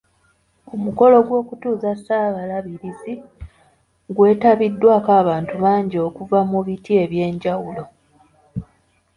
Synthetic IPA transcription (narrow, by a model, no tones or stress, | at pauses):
umuko̞lo̞ɡwo̞ːkutuːzasaːβalaβiɾizi | ɡwe̞ːtaβidːwaːkaːβaːntuβaːɲɟio̞kuvamuβitie̞βje̞ːɲɟawulo̞